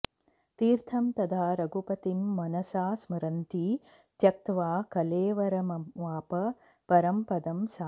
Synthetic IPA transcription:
t̪iːɾt̪ʰɐmt̪ɐd̪ʰʱaːɾɐɡupɐt̪imːɐnɐsaːsmɐɾɐnt̪i | t̪jɐk̚t̪ʋaːkɐleːʋɐɾɐmɐʋaːpɐ | pɐɾɐmpɐd̪ɐmsaː

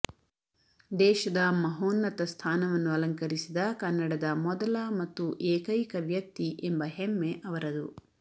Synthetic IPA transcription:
d̪ɛːʃɐd̪ɐmɐɦoːnːɐt̪ɐst̪ʰaːnɐʋɐnːuɐlɐŋkɐɾisid̪ɐkɐnːɐɽɐd̪ɐmɔd̪ɐlɐmɐt̪ːuʔeːkɐjkɐʋjɐk̚t̪iʔembɐɦemːeʔɐʋɐɾɐd̪ṵ

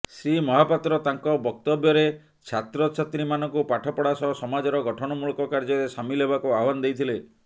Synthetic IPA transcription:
simɔɦapat̪ɾɔt̪aŋkɔbɔk̚t̪ɔbjɔɾe | t͡ʃʰat̪ɾɔt͡ʃʰat̪ɾimanɔŋkupaʈʰɔpɔɽasɔsɔmad͡ʒɔɾɔɡɔʈʰɔɽ̃ɔmuɭɔkɔkaɾd͡ʒɔɾesamilɦebakuaɦɔband̪ejt̪ʰile

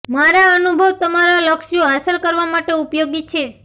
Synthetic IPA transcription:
maɾaənubʱəʋt̪əmaɾaləkʃijoɦasəlkəɾʋamaʈeupjoɡit͡ʃʰe

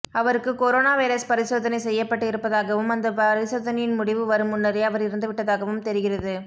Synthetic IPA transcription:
ɐʋɐɾɯkːɯkoɾoːnaːʋɐɪɾɐspɐɾɪsoːðɐnɐɪsɛjːɐpːɐʈːɯɪɾɯpːɐðaːɣɐʋɯmɐnd̪ɐpɐɾɪsoːðɐnɐjɪnmʊɽɪʋɯʋɐɾɯmʊnːɐɾɐɪɐʋɐɾɪɾɯnd̪ɯʋɪʈːɐðaːɣɐʋɯmt̪ɛɾɪɣɪrɐðɯ

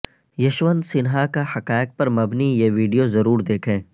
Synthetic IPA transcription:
jɐʃʋənsɪnɦakahɐkaːɪk̚pɐɾmɐbnijeːʋiːɖijozɐɾuːɾd̪eːkʰẽː

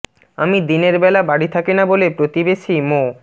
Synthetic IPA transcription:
amid̪ineɾbɛlabaɽit̪ʰakenabolepɾot̪ibeʃimo

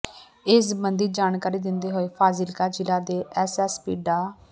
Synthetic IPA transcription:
ɪsbənd̪iːd͡ʒaːnkaːɾiːd̪ɪnd̪eːɦoːeːpʰaːzɪlkaːd͡ʒɪlaːd̪eːʔɛːsɛːspḭːɖaː

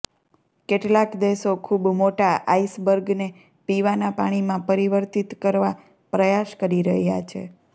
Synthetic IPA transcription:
keʈlakd̪eʃokʰubmoʈaʔaisbəɾɡne | piʋanapa̰ɽ̃imãpəɾiʋəɾt̪it̪kəɾʋa | pɾəjaʃkəɾiɾəɦja̰t͡ʃʰḛ

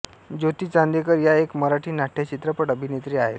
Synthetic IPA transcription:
d͡ʑot̪iːt͡sãnd̪ekəɾjaekməɾaʈʰiːnaʈʰet͡ɕit̪ɾəpəʈəbʱinet̪ɾiːaɦet̪

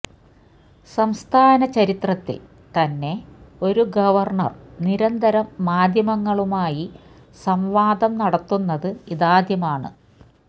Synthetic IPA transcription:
sɐmst̪ʰaːnɐt͡ɕɐɾit̪rɐt̪ːḭl | t̪ɐnːe̞o̞ɾuɡɐʋɐrɳɐ̰rniɾɐnd̪ɐɾɐmːaːd̪ʱjɐmɐŋːɐɭumaːji | sɐmʋaːd̪ɐmnɐɽɐt̪ːunːɐðɨiðaːd̪ʱjɐmaːɳɨ̰

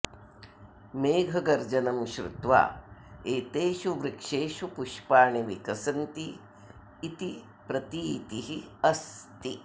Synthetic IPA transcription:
meːɡʱɐɡɐɾd͡ʒɐnɐmʃɾṵt̪ʋa̰ːeːt̪eːʃuʋɾikʂeːʃupuʃpaːɳiʋikɐsɐnt̪iː | t̪i | pɾɐt̪iːt̪iɦiɐst̪i

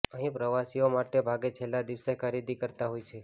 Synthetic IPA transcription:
əɦĩpɾəʋasiomaʈebʱaɡet͡ʃʰelːad̪iʋsekʰaɾid̪ikəɾt̪aɦojt͡ʃʰe

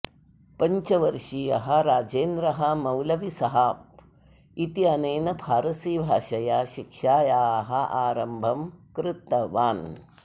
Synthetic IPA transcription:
pɐɲt͡ʃɐʋɐɾʂiːjɐɦɐɾaːd͡ʒeːnd̪ɾɐɦɐmɐwlɐʋisɐɦɐ | it̪iɐneːnɐbʱaːɾɐsiːbʱaːʃɐjaːʃikʂaːjaːɦɐʔaːɾɐmbʱɐmkɾɪt̪ːɐʋaːn

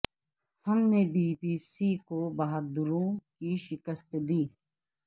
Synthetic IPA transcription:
həmnebiːpiːsikobaːɦəd̪ʊɾõkiʃɪkəst̪d̪iː

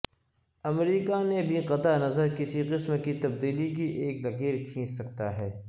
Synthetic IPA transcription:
ɐmɾiːkanebʱiqɐt̪anɐzəɾkɪsiqɪsmkit̪ɐb̚d̪iːlik̬iʔeːkzɐqiːɾkʰĩːssɐkt̪aɦɛː

